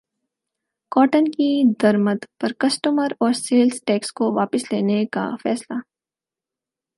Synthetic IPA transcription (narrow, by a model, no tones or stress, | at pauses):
kɔːʈənkid̪ɐɾməd̪pɐɾkɐsʈəməɾɔːɾseːlsʈɛːkskoʋaːpɪsleːneka̰fɛ̰ːsla